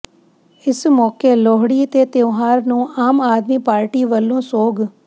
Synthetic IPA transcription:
ɪsmɔːkeːlɔːɦɽiːət̪eːt̪eʊɦaːɾnũːaːmaːd̪miːpaːɾʈiːʋəlːõːsoːɡ

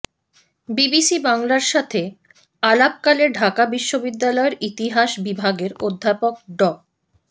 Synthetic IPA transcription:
bibisibaŋlaɾʃat̪ʰe | alab̚kaleɖʱakabiʃːobid̪ːalɔeɾit̪iɦaʃbibʱaɡeɾod̪ʱːapok̚ɖɔ

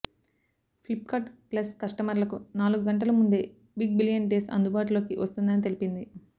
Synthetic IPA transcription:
pʰlipkaːʈplɐskɐʂʈɐmɐɾlɐkunaːluɡuɡɐɳʈɐlɐmund̪e̞ː | biɡ̚biljɐnɖe̞ːsɐ̰nd̪ubaːʈ̬ulo̞ːkiʋɐst̪und̪ɐnit̪e̞lipind̪i

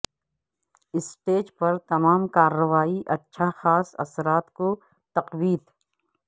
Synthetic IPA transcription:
ɪsʈeːd͡ʒpɐɾt̪ɐmaːmkaːɾːəʋaːiʔɐtːʃʰaxaːsɐ̰sɾaːt̪ko | t̪ɐqwiːd̪

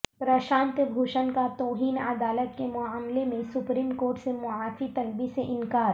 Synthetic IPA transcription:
pɾɐʃãːnt̪əbʱoːʃənkat̪oːɦiːnɐd̪aːlət̪kemʊaːmlemẽsʊpɾiːmkoːɾʈsemʊaːfit̪ɐlbiseʔɪ̃nkaːɾ

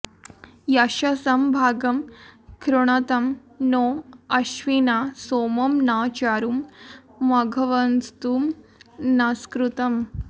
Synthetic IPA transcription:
jɐɕɐsɐmbʱaːɡɐmkɾuɳ̃ɐt̪ɐm | noɐɕʋinasoːmɐmnaːt͡ɕaːɾum | mɐɡʱɐʋɐnst̪umnaskɾut̪ɐm

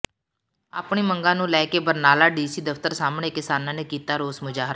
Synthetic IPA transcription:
a̰ːpɳiːmə̃ŋɡãːnũːlɛːkeːbəɾnaːlaːɖiːsiːd̪əft̪əɾsaːmɳeːkɪsaːnãːneːkiːt̪aːɾoːsmʊd͡ʒaːɦɾaː

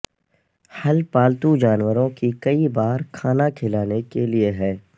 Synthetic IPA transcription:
hɐlpaːlt̪ud͡ʒaːnwəɾõkikɐibaːɾkʰaːnakʰɪlaːnekelieɦɛː

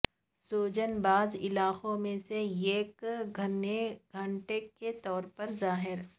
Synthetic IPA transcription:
soːd͡ʒənbaːzɪ̰laːqõmẽseeːkɡʱɐneɡʱɐ̃ɳʈeket̪ɔːɾpɐɾzaːɦɪɾ

